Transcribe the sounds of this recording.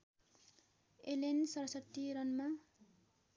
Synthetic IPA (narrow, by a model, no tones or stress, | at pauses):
elensʌɾʌsʌt̪ːiɾʌnma